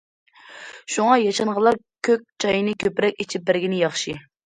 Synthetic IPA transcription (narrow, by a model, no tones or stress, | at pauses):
ʃuŋɑjɑʃɑnʁəlˠɑɾ | kʲʰøk̚ʲt͡ʃʰɑjnɨkʲʰøpɾɛkʲit͡ʃʰip̚bæɾɡʲinɪjɑχʃi